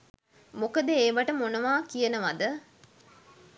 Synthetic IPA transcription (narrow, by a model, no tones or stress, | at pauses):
mokəd̪əeːʋaʈəmonəʋaːkijənəʋad̪ə